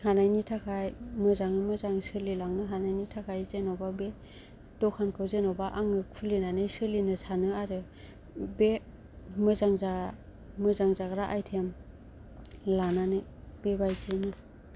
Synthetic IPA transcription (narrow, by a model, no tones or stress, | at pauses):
hanajnitʰakʰajmɯzaŋɯmɯzaŋsɯlilaŋnɯɦanajnitʰakʰajzenowbabe | d̥ɔkʰankʰɯwzenɔwbaʔaŋɯkʰulinanɯjsɯlinɯsanɯaɾɯ | be | mɯzaŋza | mɯzaŋzaɡɾaʔajtʰem | lananɯjbebajzinɯ